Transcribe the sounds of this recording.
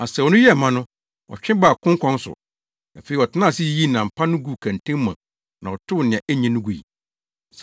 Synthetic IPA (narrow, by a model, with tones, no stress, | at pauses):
a˨sɛ˨˦˨wɔ˨nʊ̃˦jɛ˦˨mã˦nʊ̃˦ | wɔ̰˨t͡ɕᶣɪ̃˦ba˦˨kʰʊ̃˦ŋ˦kʰɔ̃˦n˦sʊ̰˨ | æ˨fe˨i˨ɔ˨tʰɪ˦nã˦˨si˦ji˦nã˨m̩˨pʰa˦nʊ̃˦ɡu˦˨kʰæ̃˨ntʰẽ˦mːã̰˨ | nã˨ɔ˨tʰʊ˦wnɪ̃˨ã˨ʔæ˦ɲĩ˦nʊ̃˦ɡu˨ḭ˨ | s